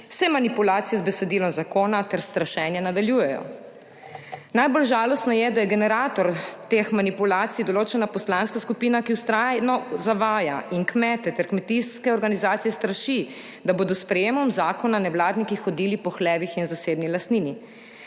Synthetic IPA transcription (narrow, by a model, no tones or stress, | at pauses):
w̥sɛmanipulaːt̪sijɛzbɛsɛd̪iːlɔmzakoːnat̪ɛɾst̪ɾaʃɛːnjɛnad̪aljuːjɛjɔ̰ | najbolʒaːlɔst̪nɔjɛd̪ajɛɡɛnɛɾaːt̪ɔɾt̪exmanipulaːt̪sijd̪ɔloːt͡ʃɛnapɔslaːnskaskupiːnakiwst̪ɾanɔzaʋaːjaiŋkmɛːt̪ɛt̪ɛɾkmɛt̪iskɛɔɾɡanizaːt̪ijɛst̪ɾaʃi | d̪aboːd̪ɔspɾɛjeːmɔmzaːkɔnanɛwlaːd̪nikixɔd̪iːlipɔxlɛːʋixinzaseːbnilast̪niːni